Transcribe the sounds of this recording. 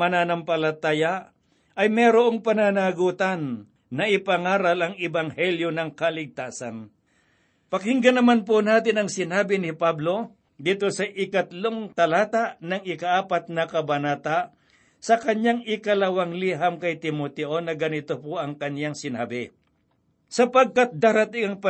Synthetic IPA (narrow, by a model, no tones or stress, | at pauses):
mɐnaːnɐmpɐlɐt̪aːja | ʔɐjmɛːɾoʔoŋpɐnanaɡuːt̪anː | ɐʔɪpɐŋaːɾɐlɐŋɪbaŋhɛljonɐŋkɐlɪɡ̚t̪aːsɐn | pɐkɪŋɡɐnɐmanponaːt̪ɪnɐŋsɪnaːbɪnɪpablo̞ | d̪iːt̪o̞sɐʔɪkɐt̪loŋt̪ɐlaːt̪aʔnɐŋɪkɐʔaːpat̪̚nɐkɐbɐnaːt̪aʔ | sɐkɐɲjaŋɪkɐlɐwaŋliɦamkɐjt̪ɪmot̪ɛʔonɐɡɐnɪt̪opoʔɐŋkɐnjaŋsɪna̰ːbɪ | sɐpɐɡ̚kat̪̚d̪aːɾɐt̪ɪŋɐŋpɐ